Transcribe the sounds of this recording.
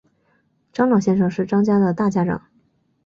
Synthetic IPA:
ʈ͡ʂɑ˥ŋlɑ˨˩ʊɕjɛ˥˧nʂɤ˥˧ŋʂɻ̩˥˩ʈ͡ʂɑ˥ŋt͡ɕja˥d̪ə˨t̪a˥˩t͡ɕja˥ʈ͡ʂɑ̰˨˩˦ŋ

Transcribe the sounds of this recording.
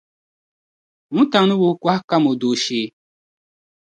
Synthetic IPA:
ŋũ˦ta˨ŋ˦nu˦bu˦kʷa˦hka˦mo˨do˨ʃeː˨˦˨

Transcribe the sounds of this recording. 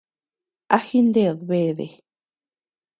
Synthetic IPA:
a˦xi˦nd̪eðβe˧ðḛ˨

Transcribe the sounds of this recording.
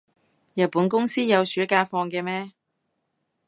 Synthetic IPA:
jɐ˨t̚puː˨˥nkʊ˥ŋsiː˥jɐ˨˧wsyː˨˥kaː˧fɔː˧ŋkɛː˧mɛː˥

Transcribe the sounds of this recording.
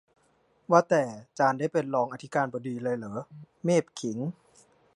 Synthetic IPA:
waː˧˩t̪ɛː˨˩t͡ɕaː˧nda˥˩jpe˧nlɔː˧ŋʔa˧t̪ʰi˦˥kaː˧nbɔː˧˩diː˧lɤː˧jlɤː˩˦ | meː˥˩p̚kʰi˩˦ŋ

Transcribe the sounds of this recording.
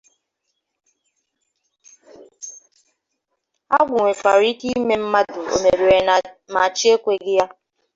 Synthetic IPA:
a˦ɡʷʊ˨ŋʷe˨fa˨ɾi˦ti˦me˦m̩˦ma˦dʊ˨o̰˨me˨ɾi˨ɾe˨ma˨t͡ʃi˦e˦kʷe˨ɡɪ˦ja˦

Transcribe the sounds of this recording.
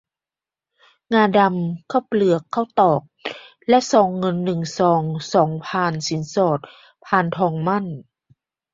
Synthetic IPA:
ŋaː˧˩da˧mkʰa˧˥˩p̚lɯ˨˩əkʰːa˧˥˩wt̪ɔː˨˩k̚ | lɛ˧˥ʔsɔː˨˦ŋːɤ˧nːɯ˨˩ŋsɔː˨˦ŋsɔː˨˩˦ŋpʰaː˧˩nsi˨˩˦nsɔː˨˩t̪̚ | pʰaː˧˩nt̪ʰɔː˧ŋma˧˥˨n

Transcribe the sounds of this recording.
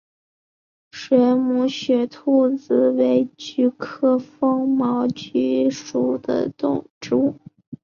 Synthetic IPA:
ʂɥɛ˧˥mu˧˥ɕɥɛ˧˥t̪ʰu˥˩t͡sɹ̩˧˩we˧˥ɪt͡ɕy˥˩kʰɤ˥fɤ˥ŋmɑ˧˥ʊt͡ɕy˥ʂu˨˥˩d̪ə̰˧t̪ʊ̰˥˩ŋʈ͡ʂu˥

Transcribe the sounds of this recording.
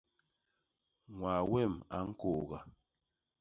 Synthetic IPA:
ŋwa˨wɛ˦˨ma̰˨˦ŋ̩˦ko˨ɣa˨

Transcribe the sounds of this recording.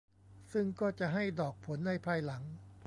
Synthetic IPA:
sɯ˥˩ŋkɔː˥˩t͡ɕa˨˩ɦa˥˩jdɔː˨˩k̚pʰo˩˦nːa˧˥˩jpʰaː˧jla˩˦ŋ

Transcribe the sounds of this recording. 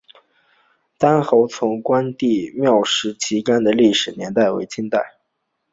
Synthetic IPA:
t̪a˥nxo˧˥ʊt͡sʰʊ˧˥ŋkwa˥nt̪i˥˧mjɑ˥˧ʊʂɻ̩˧˥t͡ɕʰi˧˥ka˥nd̪ə˨li˥˩ʂɻ̩˨˩njɛ˧˥nt̪a˥˩ɪwḛ˧˥ɪt͡ɕʰi˥nt̪a˥˩ɪ

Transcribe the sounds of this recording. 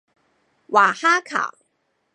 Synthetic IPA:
wa˨˩xa˥kʰa̰˨˩ʊ

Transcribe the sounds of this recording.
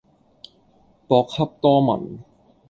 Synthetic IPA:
pɔː˧kʰːa˦˥p̚t̪ɔː˥˩mɐ̰˨˩˦n

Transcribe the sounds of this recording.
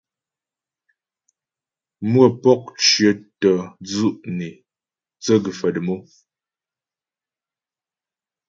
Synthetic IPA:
mwə˦˨pɔ˦k̚ʃjə˨˦tɔ˨d͡zu˦ʔne˨ | t͡sə˦ɡə˨fə˨də˨mo˦

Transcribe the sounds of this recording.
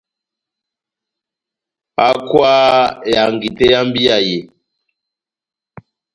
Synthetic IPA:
a̰˦kwaː˦ja˨ŋɡi˨te˦ja˦mbi˦a˨je˨

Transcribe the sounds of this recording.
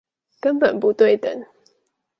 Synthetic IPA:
kə˦npə˨˩npu˨˦t̪we˥˩ɪt̪ə̰˨˦ŋ

